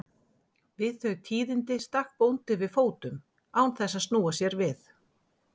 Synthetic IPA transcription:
vɪðθœɥt̪ʰiːðɪnt̪ɪst̪akpownt̪ɪvɪðfoːwt̪ʏm | aːwnθɛsːaðst̪nuːasjɛɾvɪθ

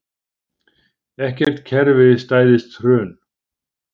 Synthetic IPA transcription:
ɛhcɛr̥t̪cʰɛɾvɪðɪst̪aːjðɪst̪rœːn

